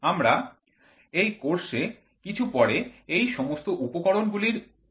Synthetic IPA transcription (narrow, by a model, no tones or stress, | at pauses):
amɾa | ejkoɾʃe | kit͡ɕʰupɔɽeejʃɔmost̪oʔupokɔɾonɡuliɾ